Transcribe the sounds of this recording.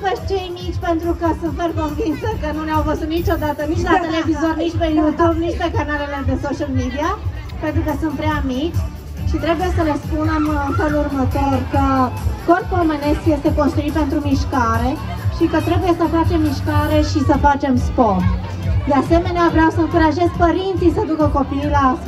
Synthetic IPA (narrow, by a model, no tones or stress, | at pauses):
veʃ̚t͡ʃe̞jmit͡ʃʲpe̞nt̪ɾukəsuferkonvinsəkənuneawvəzut̪nit͡ʃo̞d̪at̪ənit͡ʃlat̪elevizornit͡ʃpejut̪ubnit͡ʃpekanale̞le̞d̪e̞soʃəlmid̪ia | pent̪ɾukəsunt̪̚pɾeamit͡ʃʲ | ʃit̪ɾe̞buje̞səlespunamnfelurmət̪orkək̪orkolmene̞skje̞st̪e̞konst̪ɾuit̪̚pe̞nt̪ɾumiʃkaɾe̞ | ʃikət̪ɾe̞buje̞səfat͡ʃe̞mːiʃkaɾe̞ʃisəfat͡ʃe̞mspom | d̪ease̞me̞neavɾeawsəɨŋkuɾaʒe̞z̚pəɾint̪sijsəd̪ukəko̞pijla